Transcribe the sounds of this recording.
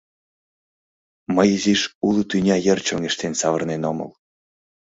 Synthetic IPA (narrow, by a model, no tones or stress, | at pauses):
məjiziʃulut̪ynʲɑjərt͡ɕoŋeʃt̪ensɑβə̆rnenomə̰l